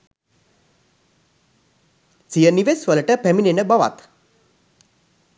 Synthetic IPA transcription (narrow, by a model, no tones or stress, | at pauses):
sijəniʋesʋələʈəpæminenəbaʋa̰t̪